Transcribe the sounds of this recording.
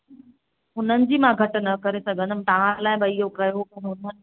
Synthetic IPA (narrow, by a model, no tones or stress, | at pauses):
ʊn̤ənɪ̆d͡ʑiːmãɡʱɐʈ̆nɐkɐɾesɐɡʱə̃nd̪əmt̪ɐʋ̤ãlaːɪbəɪɦokɐjoɐ̃ɦʊnə